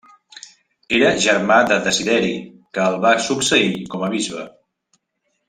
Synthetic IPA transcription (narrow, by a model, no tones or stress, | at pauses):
eɾəʒəɾmad̪əðəziðɛɾi | kəːlˠβasuksəikɔməβ̞izβə